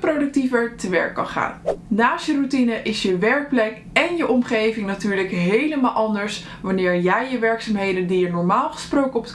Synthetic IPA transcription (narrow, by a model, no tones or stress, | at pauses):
prowdɵk̚tifəɹtəʋɛ̰ɹkːɑ̰nχa̰ːnnaːsjərutinəʔɪsjəʋɛɹk̚plɛk | ɛnjəʔɔmχejvɪŋnatyːɹləkɦejləmaːlˠʔɑndəɹs | ʋɑnɪːɹjɛjjəʋɛɹksaːmɦejdəndijənɔɹmaːlˠχə̥sprowkəɔpət